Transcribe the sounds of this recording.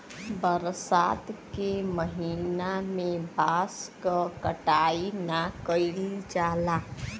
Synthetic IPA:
bəɾsat̪keməɦinamẽbaskəkəʈainakəɪlid͡ʒaːla

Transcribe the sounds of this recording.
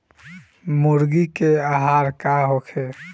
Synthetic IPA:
mʊɾɡikeaɦaːɾkaɦokʰe

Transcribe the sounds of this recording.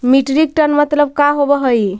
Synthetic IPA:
miʈɾik̚ʈənmət̪ləb̚kaɦobəɦəj

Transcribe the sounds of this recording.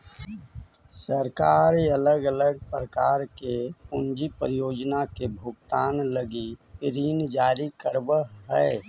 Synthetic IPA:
səɾkaːɾeələɡələɡ̚pɾəkaːɾkeʊnd͡ʒipɾijoːd͡ʒnakebʱʊɡt̪aːnləɡipɪɾiːnd͡ʒaːɾikəɾbəɦɛɪ

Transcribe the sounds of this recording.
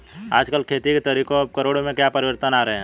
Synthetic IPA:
a̰ːd͡ʒkəlkʰeːt̪iket̪əɾikõb̚kəɾoːɽomẽkjapəɾɪʋəɾt̪ənaːɾeɦɛ̃

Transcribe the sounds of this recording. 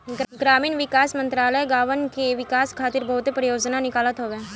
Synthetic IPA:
ɡɾaːmiːnʋɪkaːsmə̃nt̪ɾaːləjɡaːʋənkeʋɪkaːskʰaːt̪ɪɾbɐɦʊt̪epɾəjoːd͡ʒnanɪkaːlət̪ɦoːʋeː

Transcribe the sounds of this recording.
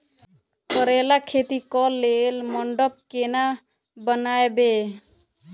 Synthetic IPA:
pəɾelakʰet̪ikɔlelməɳɖəp̚kena | bənaebe

